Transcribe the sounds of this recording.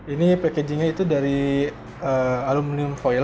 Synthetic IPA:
inipeked͡ʒiŋait̪udaɾi | əalumliʊmfojl

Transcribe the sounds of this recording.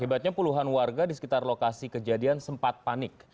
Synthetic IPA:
ibat̪̚ɲapuluɦanwarɡadisə̥kit̪arlokasikəd͡ʒadiansəmpat̪̚panɪk̚

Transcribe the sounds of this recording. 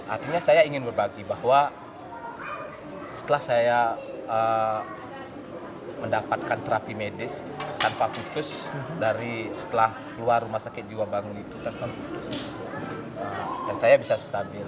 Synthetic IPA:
ʔart̪iɲasajaiŋɪnbərbaɡibahwa | sə̥t̪əlahsajaə | məndapat̪̚kant̪əɾapimedɪs | t̪anpakut̪ʊsdaɾisə̥t̪əlahkəluarːumahsakɪt̪̚d͡ʒiwabaŋʊnit̪ut̪anpankut̪ʊsiu | əjaŋsajabisast̪abɪl

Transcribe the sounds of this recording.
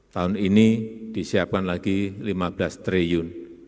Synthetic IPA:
t̪aʊninid̪̥i̤siap̚kanlaɡ̥ilimab̥last̪ɾejʊn

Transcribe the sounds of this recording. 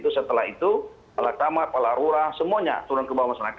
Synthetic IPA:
t̪usət̪əlahit̪u | palakamat̪̚palaɾuɾahsəmuaɲa̰t̪uɾʊnkəbawamasaɾak

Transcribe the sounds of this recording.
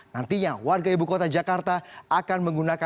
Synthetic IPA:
nant̪iɲawarɡaibukot̪ad͡ʒakart̪aakanməŋɡunaka

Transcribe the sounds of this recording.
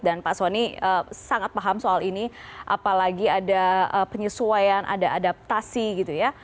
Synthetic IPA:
danpasaniəsaŋat̪̚paɦamsoaliniʔa̰palaɡiadaəpəɲəsuajanʔa̰daadap̚t̪asiɡit̪uja

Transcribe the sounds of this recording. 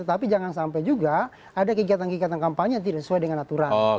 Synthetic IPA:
t̪ət̪apid͡ʒaŋansampajd͡ʒuɡa | adakəɡiat̪ankiɡiat̪ankampaɲejaŋt̪idaʔsəsuajdəŋanat̪uɾa

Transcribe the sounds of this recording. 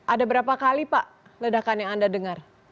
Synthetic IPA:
ʔadabəɾapakalipaʔ | lədakanjaŋandadəŋar

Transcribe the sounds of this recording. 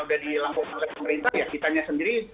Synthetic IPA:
udadilaŋkɔnlapəməɾint̪ahjakit̪aɲasəndiɾi

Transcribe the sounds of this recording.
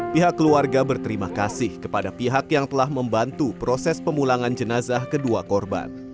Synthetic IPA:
piɦakːəluarɡabərt̪əɾimakasɪhkəpadapiɦakjaŋt̪əlahməmbant̪upɾɔsɛspəmulaŋand͡ʒənazahkəduakɔrba̰n

